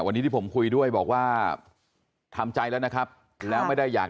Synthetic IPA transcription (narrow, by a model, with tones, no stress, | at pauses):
wa˧niː˦˥t̪iː˥˩pʰo˩˦mkʰu˧jdu˥˩əjbɔ̰ː˨˩k̚waː˥˩ | t̪ʰa˧mt͡ɕa˧jlɛː˦˥wna˥kʰɾa˦˥p̚ | lɛː˦˥wma˥˩jda˥˩jːaː˨˩k